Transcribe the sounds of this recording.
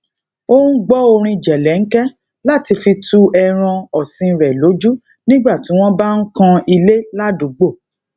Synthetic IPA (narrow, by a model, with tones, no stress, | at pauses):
o˦ũ˦ɡ͡bɔ˦o˧ɾ̃ĩ˧d͡ʒɛ˨lɛ˨˦ŋ̩˦kɛ˦ | la˦ti˧fi˧tu˦ɛ˧ɾ̃ã˧ɔ˨sĩ˧˨˧ɾɛ˨lo˨˦d͡ʒu˦ | nĩ˦ɡ͡ba˦˨ti˨˦w̃ɔ̃˦ba˦n̩˦kã˧i˧le˦la˦du˨˦ɡ͡bo˦˨